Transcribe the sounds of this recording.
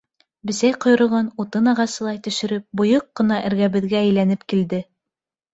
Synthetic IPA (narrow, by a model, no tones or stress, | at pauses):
bɘ̆sæjqŏj̆ɾŏlˠʁɑnut̪ɤnɑʁɑsɤ̆lˠɑjt̪ɵ̆ʃɘ̆ɾɘp̚bŏjɤqːɤ̆nɑʔɘ̆ɾɡæβɘ̆ðɡæːjlænɘpkild̪ɘ